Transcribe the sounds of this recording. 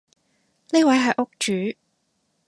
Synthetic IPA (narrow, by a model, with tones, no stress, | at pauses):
niː˥wɐ˨˥jɦɐ˨˩jʔʊ˥k̚t͡ʃyː˨˥˦